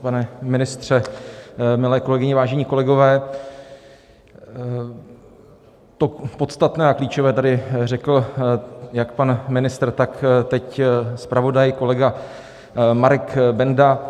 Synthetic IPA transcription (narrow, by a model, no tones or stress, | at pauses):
panɛmɪnɪst̪r̝̥ɛ | mɪlɛːko̞lɛɡɪɲɪvaːʒɛɲiːko̞lɛɡo̞vɛː | t̪opo̞t̪st̪at̪nɛːakliːt͡ʃovɛːt̪adɪrɛkl̩ | jakpanmɪnɪst̪r̩t̪akt̪ɛcspɾʔavo̞dajko̞lɛɡa | maɾɛkbɛnda